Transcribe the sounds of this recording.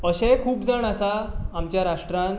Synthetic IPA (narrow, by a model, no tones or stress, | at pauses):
əɕɛ̃kʰuːpd͡zaɳ̃asaːmt͡ɕjaɾaʂʈɾãn